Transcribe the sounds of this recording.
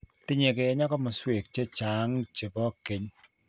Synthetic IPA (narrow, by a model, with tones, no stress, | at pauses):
tɪ˦ɲe˨ke˨ɛ˦ɲa˦kɔ˦mɔ˨swe˨k̚t͡ʃe˦t͡ʃa˨˦ŋt͡ʃe˨bɔ˦ke˨ɲ